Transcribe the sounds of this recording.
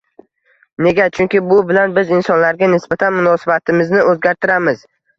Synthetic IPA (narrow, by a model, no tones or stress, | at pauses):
ne̞ɡʲat͡ʃʰʊŋkʲɪbʊbɪlanbɪzɪnsɒnlaɾɡʲanɪsbat̪ʰanmʊnɒsabat̪ʰɪmɪznɪʔɵzɡʲaɾt̪ʰɪɾamɪz